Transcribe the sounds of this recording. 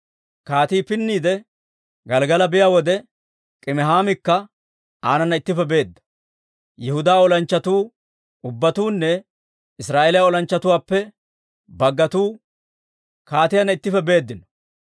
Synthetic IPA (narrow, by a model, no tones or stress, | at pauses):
kaːt̪iːpɪnːiːd̪ɛ | ɡɐlɡɐlɐbɪjaːwɔd̪ɛ | kʼɪmɛɦaːmɪkːɐ | aːnɐnːɐɪt̪ːɪfɛbe̞ːd̪ːɐ̥ | jɛhʊd̪aːɔlɐnt͡ʃːɐt̪uː | ʊbːɐt̪uːnːɛ | ɪsɾaːʔeːlɪjaɔlɐnt͡ʃːɐt̪ʊwaːpːɛ | bɐɡːɐt̪uː | kaːt̪ɪjɐnːɐɪt̪ːɪfɛbe̞ːd̪ːɪnɔ̥